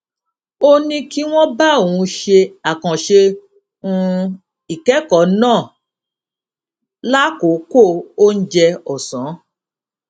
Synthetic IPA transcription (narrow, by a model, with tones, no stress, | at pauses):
o˦nĩ˧ki˦w̃ɔ̃˦ba˦o˨wũ˧ʃe˧a˨kã˨ʃe˧ | ũ˧ | i˨kɛ˨˦kɔ˨˦nãː˦˨ | la˦ko˨˦ko˦˨o˦n̩˦d͡ʒɛ˧ɔ˨sã˨˦